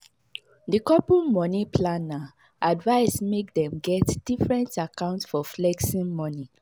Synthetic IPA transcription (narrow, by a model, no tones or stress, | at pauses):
dikɔpumɔnipʰlana | advaɪsmek̚dɛ̃mɡɛtd̥ifɹɛ̃ntakãʊ̃ntsfɔflɛksĩnmɔni